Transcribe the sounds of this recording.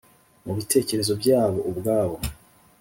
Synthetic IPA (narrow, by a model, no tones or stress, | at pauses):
muβitʰe̞ːce̞ɾe̞zo̞bɟaːβo̞ʔubɡaːβo̞